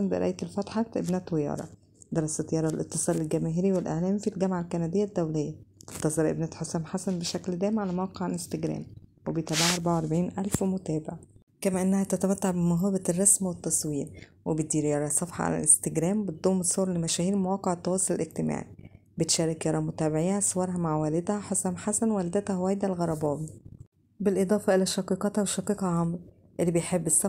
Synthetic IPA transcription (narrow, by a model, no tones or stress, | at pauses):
ænbeʔɾʔæ̰ʔjt̪elfɑt̪ħɑt̪ʔḛbnæt̪wejɑ̰ːɾˤɑ̰ | d̪eɾˤɑsæt̪jɑɾˤɑlʔet̪ːɨsˤɑːlelɡæmæːɦeɾiwelʔḛʕlæːmifilɡæmʕalkænæd̪ejːæd̪ːæwlejːæt̪ːɑsˤɑɾʔḛbnæːt̪ħosæːmħasænbeʃækld̪æːmʕalæmawɑːqeʕalʔest̪eɡɾæ̰ːmwebejt̪æːbaʕʔɑɾˤbaʕawʔɑɾˤbaʕiːnʔælfwemot̪æːbɪʕ | kæmæʔenːæhæt̪æt̪æmæt̪ːaʕbemoɦɑːbærˤːɑsmwet̪ːɑsˤwiːɾwebet̪̚d̪iːɾjɑɾˤɑsˤɑfħɑ̰ʕa̰læ̰lʔest̪eɡɾæːmbet̪̚d̪ˤoːmːet̪sˤoːɾˤlemæʃæːhiːɾmowɑːqeʕet̪ːɑwɑːsˤolelʔeɡ̚t̪emæ̰ːʕi | bet̪ʃæːɾɑkjɑɾˤɑmot̪æːbeʕiːhæsowɑːɾˤɦæmaʕwæːled̪hæħasæmħasænwæld̪æt̪æwæːjd̪ælɣɑɾˤɑbɑːwi | belʔed̪ˤɑːfɑʔelæʃɑqiːqɑt̪hæweʃɑqiːqhɑʕɑmɾ | ʔelːibejħebːesˤːɑ